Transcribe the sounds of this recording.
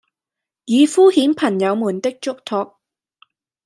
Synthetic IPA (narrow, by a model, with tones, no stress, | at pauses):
jiː˨˧fuː˥hiː˨˥npʰɐ˨˩ŋjɐ˨˧wmuː˨˩nt̪ɪ˥k̚t͡ʃʊ˥k̚t̪ʰɔː˧k̚